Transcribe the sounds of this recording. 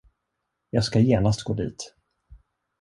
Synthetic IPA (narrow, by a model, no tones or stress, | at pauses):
jɑːɡskajeːnast̪̚ɡoːd̪ḭːt̪